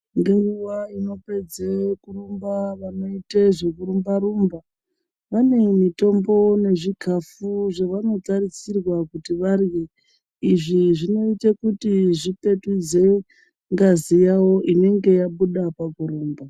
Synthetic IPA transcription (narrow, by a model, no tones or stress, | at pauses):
ndeŋɡuʋaino̞pe̞d͡zekuɾumbaʋano̞iteʐekuɾumbaɾumba | ʋane̞mito̞mbo̞ne̞ʐikʰafuʐeʋano̞tarisirwakutiʋarje | iʐiʐino̞itakutiʐipe̞tud͡ze̞ | ŋɡazijawo̞ʔine̞ŋɡe̞jaɓuɗapakuɾuːmba